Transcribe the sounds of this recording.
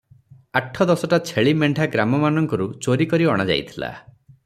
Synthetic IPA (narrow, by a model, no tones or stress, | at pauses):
aʈʰɔd̪ɔsɔʈat͡ʃʰeɭimeɳɖʱaɡɾamɔmanɔŋkɔɾut͡ʃoɾikɔɾiɔɽ̃ad͡ʒa̰jt̪ʰila̰